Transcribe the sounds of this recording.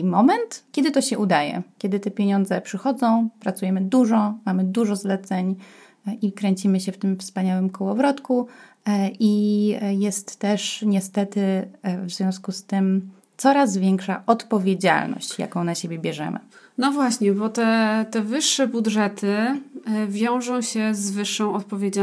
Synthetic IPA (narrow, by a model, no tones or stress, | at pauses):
mɔmɛnt̪kʲɛd̪ɘt̪ɔɕɛʔud̪ajɛ̰kʲjɛd̪ɘt̪ɛpʲjeɲɔ̃nd̪zɛpʂɘxɔd̪zɔ̃w̃pɾat̪sujɛmɘd̪uʐɔmamɘd̪uʐɔzlɛt̪sɛɲ | ikɾɛɲt͡ɕimɘɕɛft̪ɘmfspaɲawɘmkɔwɔvɾɔt̪ku | ijɛst̪ːɛʂɲɛst̪ɛt̪ɘvzvʲjɔ̃w̃skust̪ɘm | t̪sɔɾazvʲjɛŋkʂaʔɔt̪pɔvʲjed͡ʑa̰lnɔ̰ɕt͡ɕja̰kɔ̃w̃naɕebʲjɛbʲjɛʐɛ̰mʔɘ̰nɔvwaɕɲɛbɔt̪ɛt̪ɛvɘʂːɛbudʐɛt̪ʰɘ | vʲjɔ̃w̃ʐɔ̃w̃ɕɛzvɘʂːɔ̃w̃ɔt̪̚pɔvʲed͡ʑa